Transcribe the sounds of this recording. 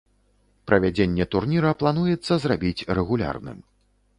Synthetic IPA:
pɾʔɐvʲad͡zʲenʲːɛt̪urnʲiɾɐplˠan̪ujɛt̪sːɐzrabʲit͡sʲrɛɣulʲa̰rnɨ̰m

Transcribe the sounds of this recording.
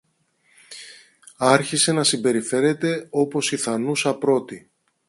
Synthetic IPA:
ɐɾçise̞nɐsimbe̞ɾife̞ɾe̞t̪e̞o̞po̞siθɐnusɐpɾo̞t̪i

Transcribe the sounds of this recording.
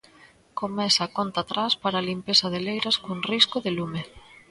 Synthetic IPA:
komɛsakont̪at̪ɾaspaɾaːlimpesɐðelejɾaskoŋriskoðelume

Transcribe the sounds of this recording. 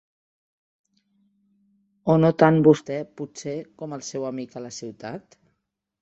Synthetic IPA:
onot̪anbust̪ɛpusekɔməlˠsɛwəmikələsiwt̪at̪

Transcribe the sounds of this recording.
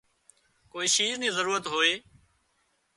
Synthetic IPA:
koːiːʃiːznĩːzəɾuːɾət̪ɦoːeː

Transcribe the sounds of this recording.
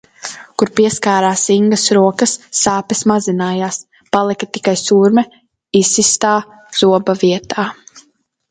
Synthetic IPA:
kuɾpiɛskaːɾaːsiŋɡɐsɾuɔkɐsːaːpɛsmazinaːjaːs | palˠikat̪ikajsuɾmɛ | isist̪aː | z̥uɔbaviɛt̪aː

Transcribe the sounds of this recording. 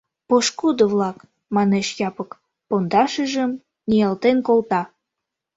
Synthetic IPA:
poʃkud̪əβlɑk | mɑneʃjɑpək | pond̪ɑʃəʒəm | nʲijɑlt̪enkolt̪ɑ

